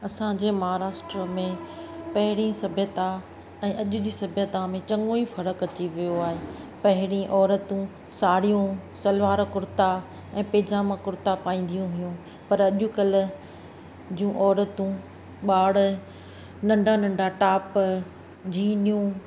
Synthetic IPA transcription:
ɐsãd͡ʑeːmɐɦaːɾaːʃʈɾəmẽpɐɦɪɽĩsɐbʱjət̪a | ɛ̃ːʔɐʄʊd͡ʑisɐbʱjət̪amẽt͡ɕɐ̃ŋɡoːifɐɾəkɐt͡ɕiʋijoaːɦeːpɐɦɪɽ̃ĩʔɔːɾət̪ũ | saːɽijũsɐlʋaːɾkʊɾt̪a | ɛ̃ːpeːd͡ʑaːmakʊɾt̪apaːĩːn̆d̪ijũɦʊjũ | pɐɾɐʄʊ̆kɐlʊ̆ | d͡ʑũʔɔːɾət̪ũ | ɓaːɽ | nɐ̃ɳɖʱanɐ̃ɳɖʱaʈaːp | d͡ʑiːnijũ

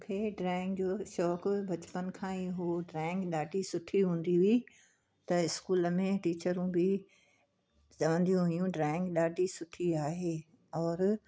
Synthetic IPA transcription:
mũːkʰeːɖɾaːɪ̃ŋɡd͡ʑoːʃɔːkbʱɐt͡ɕpən̆kʰãːiɦoɖɾaːɪ̃ŋɡɗaːɖʱisʊʈʰiɦũːn̆d̪iɦʊi | t̪ɐɪskuːləmẽʈiːt͡ɕəɾũbɪ | t͡ɕɐʋə̃nd̪ijũɦʊjũɖɾaːɪ̃ŋɡɗaːɖʱisʊʈʰiaːɦeː | ɔːɾ

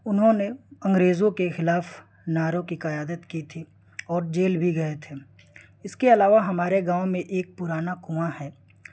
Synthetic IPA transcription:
ʊnɦõneɐ̃ŋɡɾeːzõkexɪlaːf | naːɾõkikɐjaːd̪ət̪kit̪ʰi | ɔːɾd͡ʒeːlbʱiɡɐet̪ʰeː | ɪskeɐlaːʋaɦɐmaːɾeɡãːʊmẽʔeːk̚pʊɾaːnakuahɛː

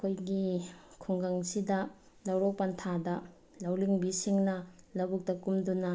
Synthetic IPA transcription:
ɐkʰojɡikʰuŋɡaŋsidɐ | lɐwɾok̚pɐntʰadɐ | lɐwliŋbisiŋnɐlɐbuk̚tɐkumdunɐ

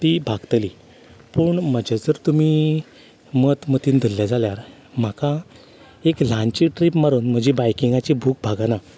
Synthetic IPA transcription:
t̪ibʱaɡt̪li | pəɳməd͡ʑad͡zəɾt̪umi | mət̪mət̪iːnd̪ʱəlːjad͡zaljaɾ | m̤aka | eklãnt͡ɕiʈɾipmaɾuːnm̤əd͡ʑebajkiŋɡat͡ɕibʱuːk̚bʱaɡana

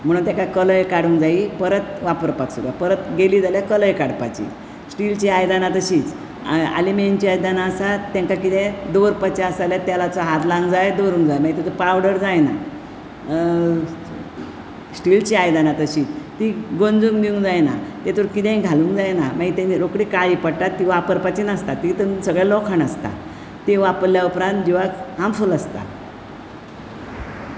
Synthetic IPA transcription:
m̤əɽ̃uːnt̪jakajkələjkaɽuːŋkd͡zaipəɾət̪ʋapəɾpaksud̪apəɾət̪ɡeliːd͡zaljakələjkaɽpat͡ɕḭ | sʈilt͡ɕiajd̪anat̪əɕiːt͡s | a̰liment͡ɕiajd̪anasat̪ːãŋkakit̪ɛ̃d̪oɾpət͡ɕaəsaljat̪jalat͡sɔɦat̪lãŋɡd͡zajd̪oɾũŋɡd͡zajmaɡit̪ɛd͡zəpawɽəɾd͡zajna̰ | sʈilt͡ɕiajd̪anat̪əɕiːt̪t̪iɡond͡zũŋɡd̪iũŋɡd͡zajna̰t̪ɛt̪oɾkit̪ɛ̃ɡʱalũŋɡd͡zajnamaɡit̪aniɾokɽikaɭipəɽʈat̪ːiʋapəɾpat͡ɕinəst̪at̪ːit̪əsəɡɭalɔkʰanəst̪a̰ | t̪eʋapəɾljaupɾãnt̪̚d͡ʑiʋakɦamfuləst̪a̰

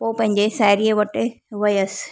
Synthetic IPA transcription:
poːpɐ̃ɦɪ̃ɲd͡ʑesaːɪɾieʋɐʈɪ | ʋɐjəs

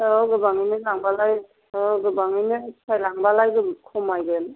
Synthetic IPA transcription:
ɔɡɯbaŋinɯlaŋbalaj | ɔɡɯbaŋinɯsʰajlaŋbalajɡɯkʰɔmajɡɯn

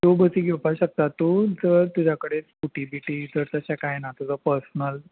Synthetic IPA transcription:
t̪obət͡siːɡʱewpaɕək̚t̪at̪ːud͡zəɾt̪ud͡ʑʱakəɽet͡skuʈibiʈiːd͡zəɾt̪əɕakajnat̪ud͡zəpəɾsnəl

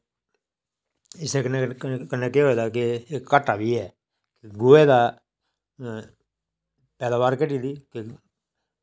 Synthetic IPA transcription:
ɪsekkəneːkeoeːd̪aːkɪːəʈːaːbiːɛː | kɪɡoeːd̪aː | pɛːd̪aːbaːɾkəʈiːd̪iːkɪ

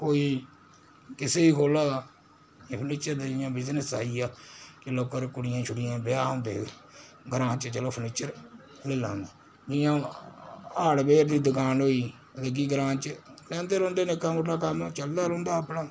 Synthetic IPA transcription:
koːiː | kɪseːiːkʰoːlaː | pʰəniːt͡ʃəɾd̪ad͡ʒɪjãːbɪd͡ʒnəsa̰ːiːaːkɪloːkːəɾkʊɽɪjãːt͡ʃʰʊɽɪjãːbɪjaːõːnd̪ḛː | ɡəɾãːt͡ʃt͡ʃəloːpʰəniːt͡ʃəɾ | leːlã̰ːnd̪aː | d͡ʒɪjãː | aːɽbeːɾd̪iːd̪əkaːnoːiː | ləɡiːɡəɾãːt͡ʃlɛ̃ːnd̪eːɾõːnd̪eːnɪkːãːmoːʈʰːaːkəmt͡ʃəld̪aːɾõːnd̪aːəpɳaː

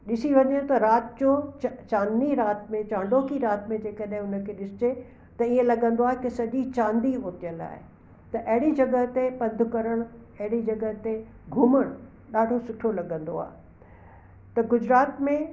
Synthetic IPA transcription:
ɗɪsiʋɐ̃nd̪iõt̪ɐɾaːt̪d͡ʑot͡ɕt͡ɕãːnd̪iɾaːt̪mẽt͡ɕãːɳɖokiɾaːt̪mẽd͡ʑeːkəɗɦɪ̃ʊnəkʰeːɗɪsɪt͡ɕe | t̪ɐiə̃lɐɡə̃nd̪oaːɦekɪsɐʄit͡ɕãːnd̪iɦoːt̪ijəla̰ːɦɪ̰ | t̪ɐʔɐɦɪɽid͡ʑɐɡəɦt̪epɐ̃nd̪ʱʊkɐɾəɽ̃ɐɦɪɽid͡ʑɐɡət̪e | ɡʱʊməɽ̃ʊ | ɗaːɖʱosʊʈʰolɐɠə̃nd̪o̰a̰ːɦ | t̪ɐɡʊd͡ʑɾaːt̪mẽ

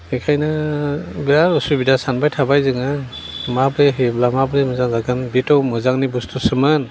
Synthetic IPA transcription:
ekʰajna | biɾaɾɔsubidasanbajtʰabajzɯŋa | mabɾeɦeblamabɾemɯzaŋzaɡɯnbitɔwmɯzaŋnibustʰusɯmɯn

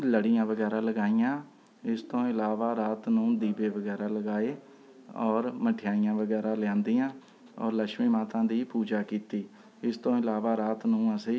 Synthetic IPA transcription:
ləɽijãːʋəɡɛːɾãːləɡaːijãː | ɪst̪õːɪlaːʋaːɾaːt̪nũːd̪iːbeːʋəɡɛːɾaːləɡaːeː | ɔːɾməʈʰɪjaːijãːʋəɡɛːɾãːljãːnd̪iːãː | ɔ̰ːɾləkʃmiːmaːt̪ãːd̪iːpuːd͡ʒaːkiːt̪iː | ɪst̪õːɪlaːʋaːɾaːt̪nũːəsiː

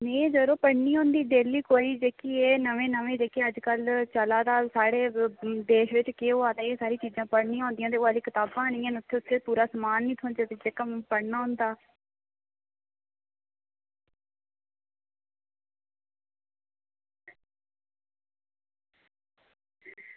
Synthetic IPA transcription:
mẽːd͡ʒəɾoːpəɽniːɦõːnd̪iːd̪eːlːiːkoːiːd͡ʒeːkiːeːnəʋẽːnəʋẽːd͡ʒeːkeəd͡ʒkəlt͡ʃəlaːd̪aːsaːɽeːd̪eːʃʋɪt͡ʃkeːoːaːt̪eːeːsaːɾiːt͡ʃiːzãːpəɽnĩːɦõːnd̪iãːt̪eːaːliːkɪt̪aːbãːñiːɛ̃ːnʊt̪ʰːeːʊt̪ʰːeːpuːɾaːsəmaːnːĩːt̪ʰõːnd͡ʒ̪aːt̪ed͡ʒeːkampəɽnaːɦʊ̃nd̪aː

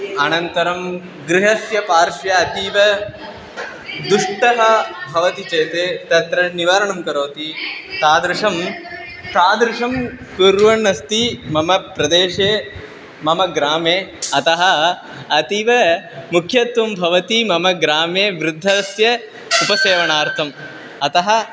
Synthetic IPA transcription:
ɐnɐnt̪ɐɾɐm | ɡɾiɦɐsjɐpaːɾʃjɐːt̪iːʋɐ | d̪uʂʈɐɦɐbʱɐʋɐt̪it͡ʃeːt̪eːt̪ɐt̪ɾɐniʋaːɾɐɳɐmkɐɾoːt̪it̪aːd̪ɾɪʂɐm | t̪aːd̪ɾɪʂɐm | kuɾʋɐɳːɐst̪imɐmɐpɾɐd̪eːʃeː | mɐmɐɡɾaːmeːɐt̪ɐɦɐ̆ | ɐt̪iʋɐmukʰjɐt̪ʋɐmbʱɐʋɐt̪imɐmɐɡɾaːmeːʋɾud̪ʱːɐɐsjɐ | upɐseːʋɐɳaːɾt̪ʰɐm | ɐt̪ɐɦɐ̆

